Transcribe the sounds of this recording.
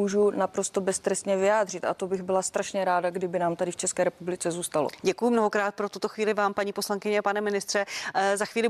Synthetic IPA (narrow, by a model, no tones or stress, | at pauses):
uːʒunapɾo̞st̪obɛst̪ɾɛst̪ɲɛvɪjaːd̪r̝ɪt̪ʔat̪obɪɣbɪlast̪ɾaʃɲɛɾaːdaɡdɪbɪnaːmt̪adɪft͡ʃɛskɛːɾɛpublɪt͡sɛzuːst̪alo̰ɟɛkujʊmno̞ɦokɾaːt̪̚pɾot̪ut̪o̞xviːlɪvaːmpaɲiːpo̞slaŋkɪɲɛpanɛmɪnɪst̪r̥ɛzaxviːlɪ